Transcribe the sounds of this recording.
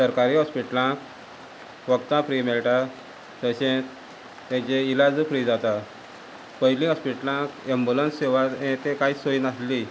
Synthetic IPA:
səɾkaɾiːɦɔspiʈlãk | ʋəkt̪ãpɾimɛlʈa | t̪əɕẽt̪ | t̪ɛ̃t͡ɕeilad͡zfɾiːd͡zat̪a | pəɦilĩɦɔspiʈlãkembulənseʋat̪ẽt̪ẽkaisoinasli

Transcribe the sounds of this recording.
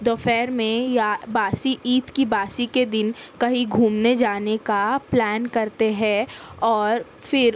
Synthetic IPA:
d̪ofɛːɾmẽjabaːsiʔiːt̪kibaːsiked̪ɪnkɐɦiɡʱuːmned͡ʒaːnekaplɛːnkɐɾt̪eɦɛ̃ɔːɾ | fɪɾ

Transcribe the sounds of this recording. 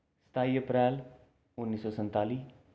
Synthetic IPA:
sə̥t̪ʰaːiːəpɾɛːl | ʊnːiːsɔːsə̃nt̪aːliː

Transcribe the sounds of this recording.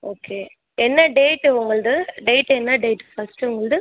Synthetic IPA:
oːkʰeː | ɛnːɐɖeːʈːʊŋɡɐɭd̪ɯɖeːʈːɛnːɐɖeːʈːfɐsʈɯʊŋɡɐɭd̪ɯ

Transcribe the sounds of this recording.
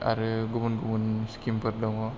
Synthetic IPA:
a̰ɾɯɡumunɡumunskimpʰɯɾdɔŋɔ

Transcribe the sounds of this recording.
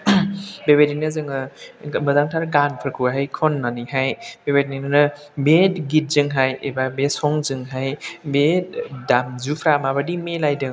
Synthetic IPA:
beβeɾinɯzɯŋɯmɯzaŋtʰaɾɡanpʰɯɾkʰuɦajkʰɔnːaniɦajbebeɾininɯnɯ | betɡit̚zɯŋɦajḛbabesɔŋzɯŋɦajbedamzupʰɾamabadimelajdɯŋ

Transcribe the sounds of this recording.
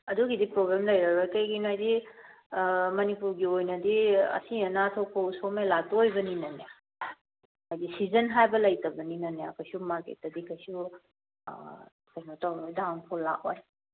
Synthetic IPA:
ɐduɡidipɾoɡɾamlɐjɾɐɾakɐjɡinajdi | mɐnipuɾɡiojnɐdiɐ̰siɐnatʰowpʰowsomelatoojbɐninɐne | ajdisizɐnɦajbɐlɐjtɐbɐninɐneɐkɐjsumaɾkḛtːɐdikʰɐjsu | kɐjnotawnojdaŋpʰulːa̰ʔoj

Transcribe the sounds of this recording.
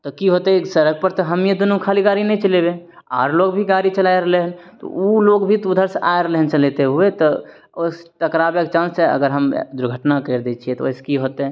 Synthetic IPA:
t̪ɔkiɦot̪esəɾəɡ̚pəɾt̪ɔɦəmjed̪unũkʰaliɡaɾinɛt͡ʃəlebeaːɾloɡbʱiɡaɾit͡ʃəlaeɾəɦleɦənt̪ɔ̰uloɡbʱit̪ud̪ʱəɾsa̰eɾəɦleɦənt͡ʃəlet̪eɦuet̪ɔ | ost̪əkɾabek̚t͡ʃãːnsseə̰ɡəɾɦəmd̪ʊɾɡʱəʈnakəɾd̪et͡ʃʰiɛt̪ɔoɪse̥kiɦot̪

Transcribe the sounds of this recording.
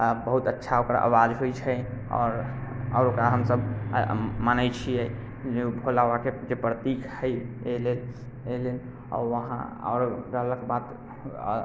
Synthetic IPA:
bəɦut̪ətːʃʰaokɾa̰ʔə̰wad͡ʒɦojt͡ʃʰəɔ̰ɾɔ̰ːɾokɾaɦəmsəb | manəjt͡ʃʰijɛ | d͡ʒebʱolaʋãked͡ʒepɾət̪ikʰhəjelel | elen | ɔ̰ɾʋəɦã̰ɔ̰ɾɾələɡbat̪

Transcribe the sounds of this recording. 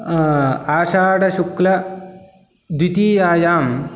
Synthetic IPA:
aːʃaːɽɐʃuklɐ | d̪wit̪iːjaːjaːm

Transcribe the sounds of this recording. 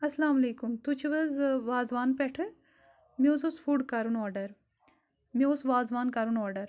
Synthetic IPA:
ɐslaːmɐleːkumt̪ut͡ʃʰiʋɐzʋaːzʋaːnpɛʈʰɨ | meososfʰuːɖkaɾunɔːɾɖɐɾ | meosʋaːzʋaːnkaɾunɔːɾɖɐɾ

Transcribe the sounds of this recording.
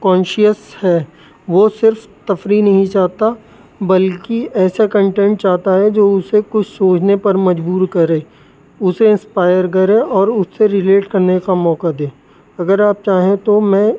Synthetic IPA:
kɔ̃ːnʃiəshɛː | ʋosɪɾf | t̪ɐfɾinɐɦĩt͡ʃaːɦt̪a | bɐlkiɛːsakɐ̃ɳʈẽːɳʈ̚t͡ʃaːɦt̪aɦɛd͡ʒoːʊsekʊt͡ʃʰsoːd͡ʒnepɐɾmɐd͡ʒbuːɾkɐɾẽː | ʊseɪ̃nspaːɪjəɾk̬ɐɾẽɔːɾʊsːeɾɪleːʈkɐɾnekamɔːkad̪ẽː | ɐɡəɾaːp̚t͡ʃaːɦẽt̪omɛ̃ː

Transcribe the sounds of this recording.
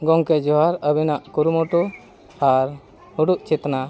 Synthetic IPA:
ɡɔŋkɛd͡ʒɔɦaɾəbɛnaʔkuɾumɔʈu | aɾ | huɖuʔt͡ʃɛt̪na

